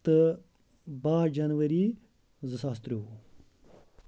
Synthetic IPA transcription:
t̪ə | baːd͡ʒɐnwɐɾi | zəsaːst̪ɾiu

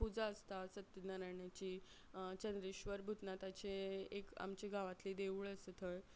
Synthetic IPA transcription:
pud͡zaəst̪asət̪ːənaɾajɳjat͡ɕiː | t͡ɕənd̪ɾiɕʋəɾbʱut̪nat̪at͡ɕeeka̰mt͡ɕiɡʱaʋat̪lid̪eʋuɭəsət̪ʰəɭ

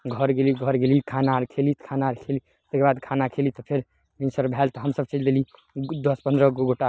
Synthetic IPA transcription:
ɡʱəɾɡeliɡʱəɾɡelikʰanaɾkʰelit̪kʰanaɾkʰeli | t̪ekebad̪kʰanakʰelit̪ɔpʰeɾ | minsəɾbʱɛlt̪ɔɦəmsəb̚t͡ʃid͡ʒd̪eli | d̪əspənd̪ɾəɡoɡoʈa

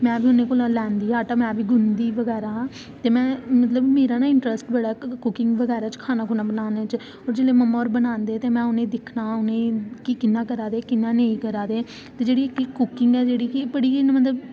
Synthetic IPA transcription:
mɛ̃ːbʱiːʊnẽːkoːlãːlɛ̃ːnd̪iːaːʈamɛ̃ːbiːɡʊnd̪iːʋəɡɛːɾaːɦãː | t̪eːmɛ̃ːmət̪ləbmeːɾaːnaːɪɳʈɾəsʈbəɽaːkʊkɪ̃ŋɡʋəɡɛːɾaːt͡ʃkʰaːnaːkʰʊnaːbənaːnet͡ʃ | ɔːɾd͡ʒɪleːməmːaɔːɾbənãːnd̪eːt̪eːmɛ̃ːʊnẽːd̪ɪkʰnaːʊnẽːkiːkɪnːaːkəɾaːd̪eːkɪnːãːneːĩːkəɾaːd̪eː | t̪eːd͡ʒeːɽiːɪkkːʊkɪŋɡɛːd͡ʒeːɽiːkɪbəɽiːinːmət̪̬ləb

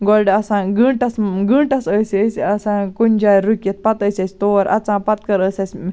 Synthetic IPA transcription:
ɡolɖɐsãːɡɨɳʈɐsɡɨɳʈɐsəsəsʲɐsãːkunʲd͡ʒaːjɾukʲjet̪̚pɐt̪əːsʲɐsʲt̪oːɾʔɐ̰t͡sãːpɐt̪̚kɐɾəːsɐsʲ

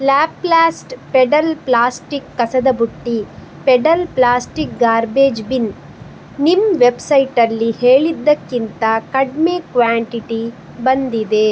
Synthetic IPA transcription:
laːpːlaːsʈpeɖɐlplaːsʈikːɐsɐd̪ɐbuʈːi | peɖɐlplaːsʈik̚ɡaːɾbeːd͡ʒbin | nimʋebsɐjʈɐlːiheːɭid̪ːɐkːint̪ɐkɐɖmeːkʋaːɳʈiʈi | bɐnd̪id̪e̞

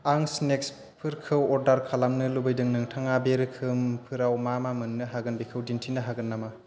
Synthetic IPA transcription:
aŋsneks | pʰɯɾkʰɯwɔɾdaɾkʰalamnɯlubɯjdɯŋnɯŋtʰaŋabeɾɯkʰɯmpʰɯɾawmamamɯnːɯɦaɡɯnbikʰɯwdintʰinɯɦaɡɯnːama

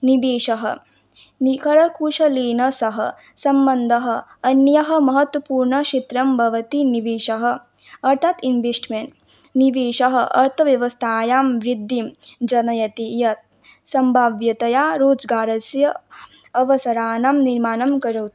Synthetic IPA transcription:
niʋeːʃɐɦɐ̰ | nikɐɭɐkuʃɐleːnɐsɐɦɐ̆ | sɐmbɐnd̪ʱɐɦɐ̆ɐnjɐɦɐ̆mɐɦɐt̪wɐpuːɾɳɐʃit̪ɾɐmbʱɐʋɐt̪iniʋeːʃɐɦɐ̆ | ɐɾt̪ʰaːt̪inʋesʈmeɳʈ | niʋeːʃɐɦɐ̆ʔɐɾt̪ʰɐʋjɐʋɐst̪ʰaːjaːmʋɾid̪ʱːimd͡ʒɐnɐjɐt̪ijɐt̪̚ | sɐmbʱaːʋjɐt̪ɐjaːɾoːd͡ʒɡaːɾɐsjɐ | ɐʋɐsɐɾaːnaːmniɾmaːnɐmkɐɾɐwt̪

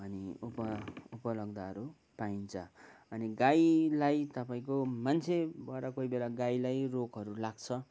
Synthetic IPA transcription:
ʌniupʌupʌlʌɡd̪aʌɾu | paint͡sʰʌʌniɡajlajt̪ʌpaĩkomant͡sʰebaɾʌkoibelaɡajlajrokɦʌɾulaɡt͡sʰʌ

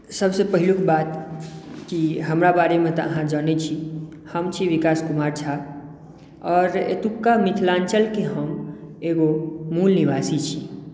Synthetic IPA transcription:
səbsepəɦilukbat̪ | kiɦəmɾabaɾemẽt̪ɔ̰əɦãd͡ʒənɛt͡ʃʰi | həmt͡ʃʰiʋikaskumaɾt͡ʃʰa | ɔːɾḛt̪ukːamit̪ʰlãnt͡ʃəlkeɦəmeɡomulniʋasit͡ʃʰi

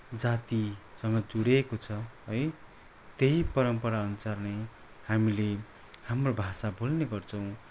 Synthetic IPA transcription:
d͡zat̪isʌŋɡʌd͡zuɽekot͡sʰʌɦʌj | t̪ejpʌɾʌmpʌɾaʌnut͡sarne | hamile | hamrobʱasabʱolneɡʌrt͡sʰʌw̃

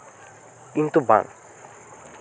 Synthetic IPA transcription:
kint̪uba̰ŋ

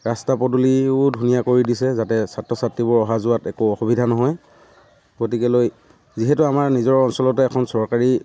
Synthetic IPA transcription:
ɹastapɔduliʊdʱunijakoɹidisɛzatɛsatɹɔsatɹibʊɹɔɦazʊatɛkuɔxubidʱanɔɦɔj | ɡotikɛloj | ziɦɛtuamaɹnizɔɹɔnsɔlɔtɛːkʰɔnsɔɹkaɹi

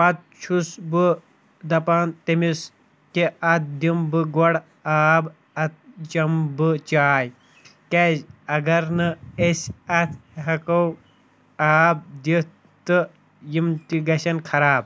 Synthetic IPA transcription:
pɐt̪̚t͡ʃʰusbɨ | d̪ɐpaːnt̪ɐmis | kiʔɐt̪̚ʰd̪imbɨɡɔɽ | aːb | ɐt̪̚t͡ʃɐmbɨt͡ʃaːj | kezɐɡɐɾnɨesɐt̪ʰɦɐkɐw | aːb̚d̪it̪ | t̪ɨ | jimt̪iɡɐsɐnkʰɐɾaːb̚

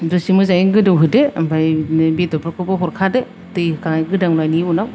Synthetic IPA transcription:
dɯsimɯzajiɡɯdɯwɦɯdebajbitɔpɔkɯbɯɦɔɾkʰade | tɯjɯkaŋɡɯdaŋlajniunaw

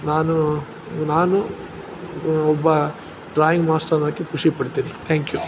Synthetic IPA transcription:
naːnu | naːnu | ɔbːɐ | ɖɾaːjiŋɡmaːsʈɐnɐkːekʰuʂipɐɽt̪iːnit̪ʰaːŋkjuː

